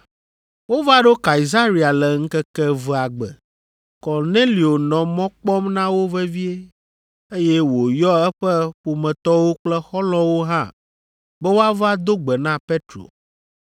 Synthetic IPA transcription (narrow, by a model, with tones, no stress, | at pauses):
wo˦va˦ɖo˦ka˨i˨za˦ɾi˨a˨lɛ˨ŋ̩˦kɛ˦kɛ˦vɛ˨a˨ɡ͡bɛ̰˨ | kɔ˨ɾne˦li˨o˨nɔ̃˨mɔ̃˦k͡pɔ˦mnã˦wo˦vɛ˦vi˦e˦ | e˦jɛ˦wo˨jɔ˦ɛ˦ɸɛ˦ɸu˨mɛ̃˨t̪ɔ˦wo˦k͡plɛ˦xɔ˦lɔ̃˦wo˦ɦã˦ | bɛ˦wo˦a˦va˦d̪o˦ɡ͡bɛ˨nã˦pe˦t̪ɾo̰˨